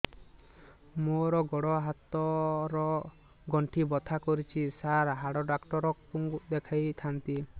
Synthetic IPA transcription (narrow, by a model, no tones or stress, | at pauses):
moɾɔɡɔɽɔɦat̪ɔɾɔ | ɡɔɳʈʰibɔt̪ʰakɔɾit͡ʃʰisaɾɦaɽɔɖakʈɔɾɔkpuŋɡd̪ekʰajt̪ʰant̪i